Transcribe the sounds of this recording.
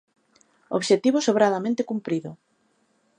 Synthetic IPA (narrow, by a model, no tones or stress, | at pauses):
o̰βʃet̪iβosoβɾaðamẽnt̪ekumpɾiðʊ